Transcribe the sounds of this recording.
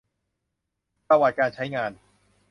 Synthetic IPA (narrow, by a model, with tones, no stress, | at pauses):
pɾa˧waː˨˩t̪̚kaː˧nt͡ɕʰa˦˥jŋaː˧n